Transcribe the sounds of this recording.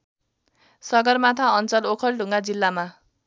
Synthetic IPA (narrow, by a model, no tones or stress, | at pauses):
sʌɡʌrmat̪ʰaʌnt͡sʌlokʰʌlɖʱũŋɡad͡zilːama